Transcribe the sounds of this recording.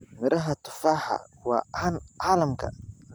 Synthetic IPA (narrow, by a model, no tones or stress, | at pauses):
mɪɾɐɦɐt̪ʰʊ̥faːħɑ̰wɑ̰ːanʕɑːlɐmkʰɐ̰